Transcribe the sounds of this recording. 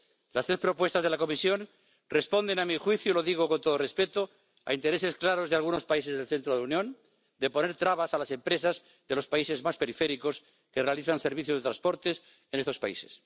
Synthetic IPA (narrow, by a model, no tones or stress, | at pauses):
last̪ɾespɾo̞pwe̞st̪azðelako̞misjo̞n | respo̞nd̪e̞namixwiθjulo̞ðiɣ̞oko̞nt̪oðorespe̞t̪o | a̰int̪e̞ɾe̞se̞sklaɾo̞zðealɣuno̞spaise̞zð̞elθe̞nt̪ɾoðeunjõ̞n | d̪e̞po̞ne̞ɾt̪ɾaβasalase̞mpɾe̞saz | ðelo̞spaise̞zmaspe̞ɾifeɾiko̞s | kerealiθanse̞ɾβiθjozðe̞t̪ɾanspo̞ɾt̪es | enest̪ospaḭse̞s